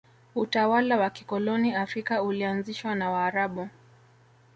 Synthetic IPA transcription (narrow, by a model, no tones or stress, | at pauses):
utawalawaki̥kɔlɔniafɾikaulianziʃwanawaːɾaɓu